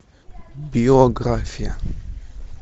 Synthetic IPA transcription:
biɔɡɾafia

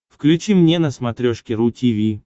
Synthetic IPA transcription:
fklʲʉt͡ɕimnʲenəsmɐt̪ɾʲoʂkʲɪɾutʲivʲi

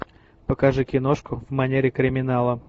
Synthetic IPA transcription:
pəkɐʐɨkʲɪnoʂkʊvmɐnʲeɾʲɪkɾʲɪmʲɪnalˠə

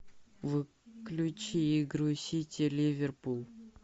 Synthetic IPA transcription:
vɨ | klʲut͡ɕiːɡɾusʲitʲelʲivʲerpulˠ

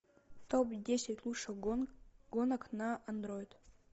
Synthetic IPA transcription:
t̪opdʲesʲatʲlˠuʂə | ɡonaknaɐnd̪ɾojt̪

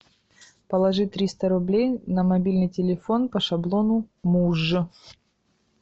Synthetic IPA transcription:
pəlˠɐʐɨt̪ɾʲist̪əɾʊblʲejnəmɐbʲilʲnɨjtʲɪlʲɪfo̞npəʂɐblˠo̞nʊmuʐːɨ

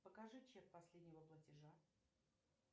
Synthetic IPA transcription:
pəkɐʐɨt͡ɕet̪̚pɐsʲlʲedʲnʲɪvəplˠətʲɪʐa

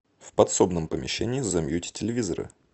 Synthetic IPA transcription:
fpɐt̪so̞bnəmpəmʲɪ̰ɕːenʲɪːzɐmʲjutʲɪ̥tʲɪlʲɪvʲizəɾɨ̰

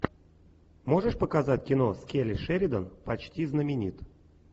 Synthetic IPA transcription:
moʐəʂpəkazatʲkʲinoskʲelʲɪʂɛɾʲɪd̪ənpɐt͡ɕtʲiznəmʲɪnʲit̪

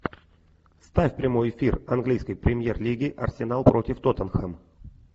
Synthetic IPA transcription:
st̪afʲpɾʲɪmo̞jɪfʲirɐnɡlʲijskəjpɾʲɪmʲjerlʲiɡʲɪʔɐ̰rsʲɪnalˠpɾo̞tʲɪft̪ot̪ənxəm

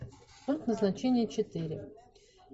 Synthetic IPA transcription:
ut̪nəznat͡ɕenʲɪjət͡ɕɪt̪ɨɾʲɪ̰

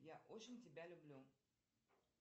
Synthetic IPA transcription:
jaʔo̞t͡ɕɪnʲtʲɪbʲalʲʊblʲu

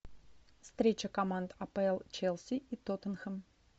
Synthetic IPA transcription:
fst̪ɾʲet͡ɕəkɐmand̪ɐpəɛlˠt͡ɕelˠsʲiit̪ot̪ənxəm

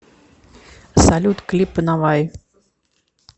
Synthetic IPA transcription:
salʲut̪klʲipɨnavaj

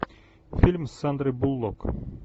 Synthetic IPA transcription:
fʲilʲmsand̪ɾɨbulˠːok

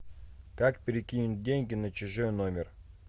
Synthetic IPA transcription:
kakpʲɪɾʲɪkʲinʲʊt̪̚dʲenʲɡʲɪnɐt͡ɕɪʐojnomʲɪr

